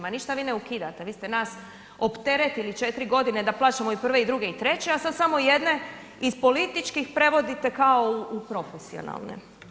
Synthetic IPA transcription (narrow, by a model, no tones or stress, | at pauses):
maniʃt̪aʋiːneukid̪at̪eʋiːst̪e̞naːs | o̞pt̪e̞ɾet̪ilit͡ʃe̞t̪ɾiɡo̞d̪ine̞d̪aplˠaːt͡ʃemo̞ipr̩ʋeid̪ɾuɡe̞it̪ɾe̞t͡ɕe̞asad̪samo̞ije̞d̪ne̞ | izpo̞lit̪it͡ʃkixpɾe̞ʋo̞d̪it̪e̞kao̞uupɾo̞fesio̰na̰lˠnḛ